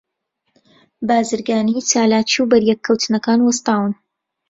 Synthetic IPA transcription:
baːzɨɾɡaːnit͡ʃaːlaːt͡ʃiwbɐɾjɛkʰːɐwt̪ʰɨnɐkaːnwɐst̪aːwɨn

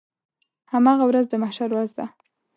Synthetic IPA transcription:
hamɑɣawɾazd̪əmahʃaɾwazd̪a̰

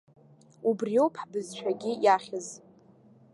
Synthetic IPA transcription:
ubrio̞wpʰħbɨzʃʷᶣaɡʲɪjaχʲɪz

